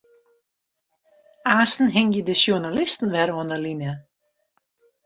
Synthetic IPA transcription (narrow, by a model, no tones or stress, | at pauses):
aːstn̩ɦɪŋjədəʃjunalɪstn̩ʋɛɾɔənəlinə